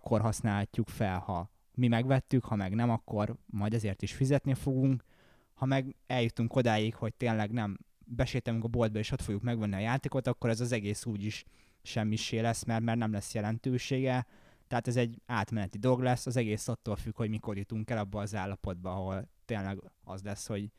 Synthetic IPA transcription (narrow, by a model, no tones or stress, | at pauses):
kːo̞rɦɒsnaːlhɒcːukfɛlhɒ | mimɛɡʋɛt̪ːykhɒmɛɡnɛmɒkːo̞rmɒjd̪ɛzeːrt̪iʃfizɛt̪nifo̞ɡuŋk | hɒmɛɡɛljut̪uŋko̞d̪aːjikho̞c̚t̪eːnlɛɡnɛm | bɛʃeːt̪ɛnyŋkɒbo̞ld̪̚bɒeːʃo̞t̪foɡjukmɛɡʋɛnːiɒjaːt̪eːko̞t̪ɒkːo̞ɾɛzɒzɛɡeːsuːɟiʃ | ʃɛmːiʃeːlɛsmɛrt̪mɛrt̪nɛmlɛsjɛlɛnt̪øːʃeːɡɛt̪ɛɦaːt̪ɛzɛɟːaːt̪mɛnɛt̪id̪o̞lo̞ɡlɛsːɒzɛɡeːsɒt̪ːoːlfykho̞ɟmiko̞rjut̪uŋkɛlɒbːɒːzaːlːɒpo̞d̪̚bɒɒɦo̞lt̪eːnlɛɡɒzlɛsho̞ɟ